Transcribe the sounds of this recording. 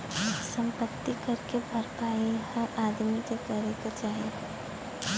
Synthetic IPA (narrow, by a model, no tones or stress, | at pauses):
sə̃mpət̪ːikɐɾkebʱɐɾpaːehɐɾʔaːd̪mikekəɾekat͡ʃaːɦi